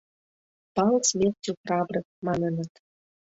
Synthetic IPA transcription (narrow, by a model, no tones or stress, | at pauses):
pɑlsmʲertʲuprɑbɾɤ̆k̚mɑnənə̆t̪